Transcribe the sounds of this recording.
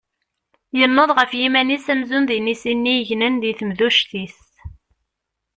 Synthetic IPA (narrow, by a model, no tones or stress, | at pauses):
jənːoðˤʁəfjimænisæmzunðinisinːiəʝnənðiθəmðuʃθis